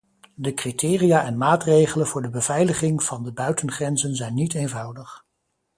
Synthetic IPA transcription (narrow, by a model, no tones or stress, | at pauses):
dəkritʰɪːrijaːʔɛnmaːtrejχələnvʊːɹdəbəv̥ɛjləχɪŋv̥ɑndəbœɥtənχrɛnzənzɛjnːitejnvɑwdəχ